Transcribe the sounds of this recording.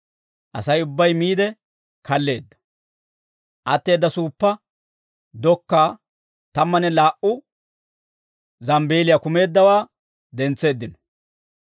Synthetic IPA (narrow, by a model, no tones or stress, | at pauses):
ʔɐ̰sɐjʊbːɐjmiːd̪ɛ | kɐlːe̞ːd̪ːɐ̥ | ʔɐt̪ːe̞ːd̪ːɐsuːpːɐ | d̪ɔkːaː | t̪ɐmːɐnɛlaːʔʊ | zɐmbe̞ːlɪjakʊme̞ːd̪ːɐwaː | d̪ɛnt͡sːe̞ːd̪ːɪnɔ̥